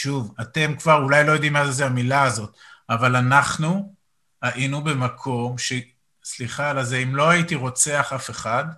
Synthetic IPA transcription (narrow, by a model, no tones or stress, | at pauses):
ʃuvate̞mkv̥aʁulajlo̞jo̞d̪imːazzeamilaːzo̞tavalanaχnu | aʔinube̞makʰo̞mʃe | sliχalazeimlo̞aitiʁo̞t͡se̞aχafe̞χad̪